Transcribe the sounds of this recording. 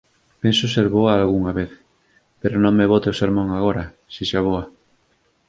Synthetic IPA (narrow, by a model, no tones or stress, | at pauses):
pensʊseɾβoaːlɣuŋaβeθ | peɾonõŋmeβot̪eoseɾmõŋaɣ̞oɾa | sisaβ̞oa